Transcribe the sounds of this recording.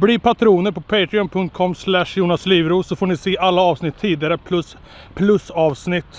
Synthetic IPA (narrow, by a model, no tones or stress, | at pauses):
blipʰat̪ʰɾuːnəɾpʰɔpʰeɪt̪ɾɪɔnpʰɵŋt̪̚kʰɔmːslæʂjuːnɑsliːʋɾuːsɔfoːɳɪseːʔalːaɑːʋsnɪt̪ʰːiːd̪ɪaɾəpʰlɵs | pʰlɵsɑːʋsnɪt̪ː